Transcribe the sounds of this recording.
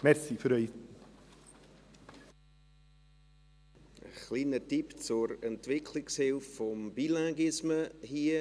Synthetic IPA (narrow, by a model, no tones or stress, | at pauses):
mɛɾsifəɾœj | ə̰χliːnətipt͡sʊɾɛntvɪkʰlɪkshɪlffɔmbilaɡɪsməhiːə